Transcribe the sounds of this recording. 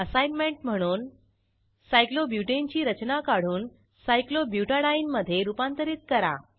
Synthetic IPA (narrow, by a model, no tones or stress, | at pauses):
əsajnmeɳʈm̤əɽ̃uːn | sajklobjuʈeɲt͡ɕiːɾət͡ɕnakaɽ̤uːn | sajklobjuʈaɽaiːnməd̪ʱːjeɾupant̪əɾiːt̪̚kəɾa̰